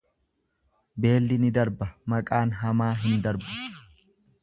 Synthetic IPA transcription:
be̞ːlːɪnɪd̪ɐɾbɐmɐkʼaːnɦɐmaːɦɪnd̪ɐɾbɐ̥

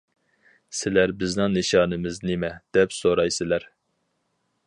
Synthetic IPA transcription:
sɪlæɾbɪznɨŋnɨʃɑːnɨmɪznɪmɛd̪̥ɛpsoɾɑjsɪlæɾ

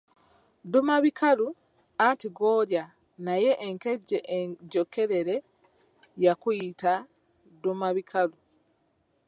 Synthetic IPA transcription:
dumaβikʰalu | antiɡoːɾja | naje̞ʔːŋkeɟeɟoke̞ɾe̞ɾe̞ | jakuita | dumaβikʰalu

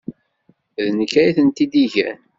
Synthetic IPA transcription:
ðnəkːæjiθənt̪id̪iʝæ̰n

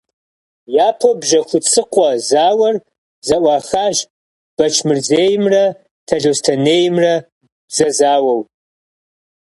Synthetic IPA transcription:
jaːpʰobʒɐxʷʊt͡sʼʰɨqʷʼɔzaːwɐr | zɐʔʷɑːxaːʒ | b̥ɐt͡ʃʰmɨrzeːjɪmrɐ | tʰɐɮostʰɐneːjɪmrɐ | zɐzaːwɐw

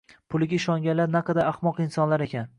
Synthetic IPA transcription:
pʰʊlˠɪɡʲaɪʃɒŋɡʲanlaɾnaqɑd̪aaχmɒqɪnsɒnlaɾe̞kʲʰan

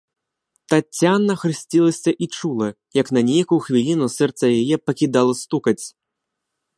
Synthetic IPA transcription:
t̪at͡sʲːanɐxɾɨsʲt͡sʲilˠɐsʲɐʔit͡ʂulˠɐ | jɐknɐnʲejɐkuxvʲilʲinusɛrt̪sɐjajɛpɐkʲid̪alˠɐst̪ukɐt͡sʲ

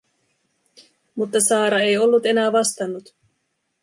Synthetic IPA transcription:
mut̪ːɑsɑːɾɑe̞jo̞lːut̪e̞næːʋɑst̪ɑnːut̪

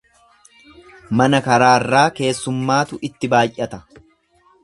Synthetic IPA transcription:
mɐnɐkɐɾaːrːaːke̞ːsːʊmːaːt̪ʊʔɪt̪ːɪbaːjʔɐt̪ɐ

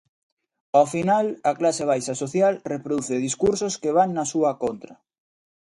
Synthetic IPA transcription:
ofinalɐklaseβ̞ajsɐsoθjalrepɾoðuθeðiskuɾsoskeβ̞aŋnɐsuɐkont̪ɾɐ

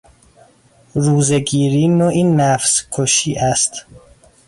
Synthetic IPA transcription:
ɾuːzeɡiːɾiːnoʔiːnːæfskʰoʃiːʔæst̪

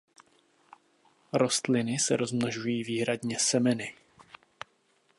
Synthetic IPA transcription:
ɾo̞st̪lɪnɪsɛ̰ɾo̞zmnoʒujiːviːɦɾadɲɛsɛmɛnɪ

